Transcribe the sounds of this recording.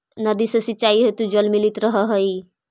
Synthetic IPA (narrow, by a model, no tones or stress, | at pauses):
nʌd̪isəsit͡ʃajɦet̪ud͡ʒɔlmilit̪ɾɔɦɔɦɔj